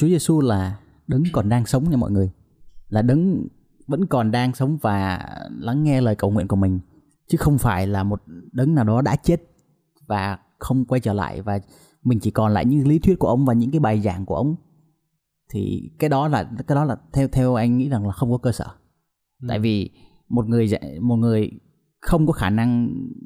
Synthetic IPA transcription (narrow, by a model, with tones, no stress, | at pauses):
t͡ɕu˨˦ze˧su˧laː˨˩ | ɗɨ˨˦ŋkɔ˨˩nɗaː˧ŋsə˨˦wŋ͡mɲa˧mɔ̰˧˨jŋɨ˨˩əj | laː˨˩ɗɨ˨˦ŋ | və̰˧˥nkɔ˨˩nɗaː˧ŋsə˨˦wŋ͡mvaː˨˩la˨˦ŋːɛ˧ləː˨˩jkə˨˩wŋwḭ˧˨nku˧˩əmï˨˩ŋ̟ | t͡ɕɨ˨˦xə˧wŋ͡mfaː˧˩jlaː˨˩mo˨˩t̚ɗɨ˨˦ŋnaː˨˩wɗɔ˨˦ɗa̰ː˧˥t͡ɕe˦˥t̚ | vaː˨˩ | xə˧wŋ͡mkwa˧jt͡ɕəː˧˩la̰ː˧˨jvaː˨˩ | mï˨˩ŋ̟t͡ɕi˧˩kɔ˨˩nla̰ː˧˨jɲɨ̰˧˥li˨˦t̪wi˦˥t̚ku˧˩ʔə˧wŋ͡mvaː˨˩ɲɨ̰˧˥ŋkaː˨˦jɓaː˨˩jzaː˧˩ŋku˧˩əʔə˧wŋ͡m | t̪ʰḭ˨˩kaː˨˦jɗɔ˨˦laː˨˩kaː˨˦jɗɔ˨˦laː˨˩t̪ʰɛ˧t̪ʰɛ˧wʔa˧jŋ̟ŋḭ˧˥za˨˩ŋlaː˨˩xə˧wŋ͡mkɔ˨˦kəː˧səː˧˩ | t̪a̰ː˧˨jvi˨˩ | mo˨˩t̚ŋɨ˨˩əjza̰˧mo˨˩t̚ŋɨ˨˩əj | xə˧wŋ͡mkɔ˨˦xaː˧˩na˧ŋ